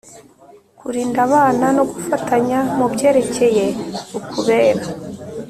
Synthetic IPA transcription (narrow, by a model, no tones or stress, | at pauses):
kuɾiːndaβaːnano̞ɡufataɲamubɟe̞ːɾe̞ce̞jeukuβe̞ːɾa